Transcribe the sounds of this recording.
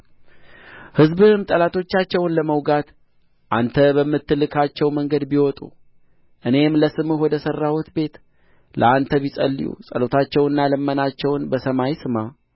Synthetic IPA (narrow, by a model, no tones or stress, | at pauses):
hɨzbɨhɨmt̪ʼəlat̪ʰo̞t͡ʃːat͡ʃːɛwnləməwɡat̪ | ʔant̪ʰəbəmːɨt̪ːɨlɨkʰat͡ʃːɛwməŋɡəd̪biwɔt̪ʼṵ | ʔɨne̞mləsɨmɨwɔd̪əsərːawut̪be̞t̪ | lə̰ant̪ʰəβisʼə̰lːḭjṵsʼəlot̪ʰat͡ʃːɛwɨnːalɨmːənat͡ʃːɛwnbəsəmajsɨma